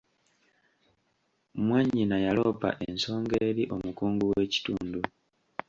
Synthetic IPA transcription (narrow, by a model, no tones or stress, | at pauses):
mwaɲːinajalo̞ːpa̰ʔenso̞ːŋɡeːɾiʔo̞mukuːŋɡuwe̞ːci̥tuːndu